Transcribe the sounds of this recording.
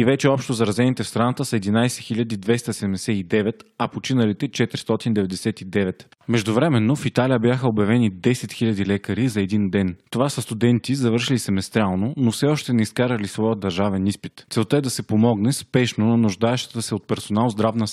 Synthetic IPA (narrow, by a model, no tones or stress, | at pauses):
ivɛt͡ʃɛɔpʃt̪ozɐɾɐzɛnit̪ɛfst̪ɾanat̪əsɐɛd̪inajsɛ̥xilʎʲɐd̪id̪vɛst̪əsɛd̪ɛmd̪ɛsɛid̪ɛvɛt̪ɐpot͡ʃinəlit̪ɛt͡ʃɛt̪ɾi̥st̪ɔt̪ind̪ɛvɛd̪ɛsɛt̪id̪ɛvɛt̪ | mɛʒd̪ʊvɾɛmɛnːofit̪alijəbjaxəobjɐvɛnid̪ɛsɛt̪xilʲɐd̪ilɛkəɾizɐɛd̪ind̪ɛnt̪ovasɐst̪ud̪ɛnt̪izɐvɤɾʃilisɛmɛst̪ɾʲalˠnonofsɛɔʃt̪ɛnɛiskaɾəlisvɔjəd̪ɐɾʒavɛnispit̪t̪sɛlˠt̪əɛd̪ɐsɛpomɔɡnɛspɛʃnonɐnʊʒd̪aɛʃt̪ə̥t̪əsɛot̪̚pɛɾsonalˠzd̪ɾavnə